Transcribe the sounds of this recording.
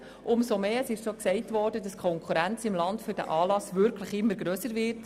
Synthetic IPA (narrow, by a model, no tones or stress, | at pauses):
ʔʊmsomeːəsɪʃsoksɛɪtvɔːɾdədɑskʰɔŋkχuɾænt͡sɪmlɑndfyɾdæ̰ʔɑːlɑsvʏɾkʰləχɪmːəɾɡɾøːsəɾvɪrt